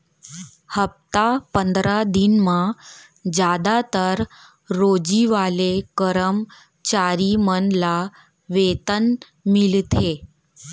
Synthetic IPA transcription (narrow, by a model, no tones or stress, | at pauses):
həp̚t̪apənd̪ɾad̪inmã | d͡ʑjad̪at̪əɾː | od͡ʑiʋalekəɾəm | t͡ɕaɾimənla | ʋet̪ən | milt̪ʰe